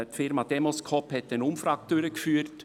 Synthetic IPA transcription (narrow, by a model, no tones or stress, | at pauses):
tfɪɾmɑd̥ɛmoskʰɔphɛtdɛnʊmfɾɑːk̚tøɾəkfyːəɾt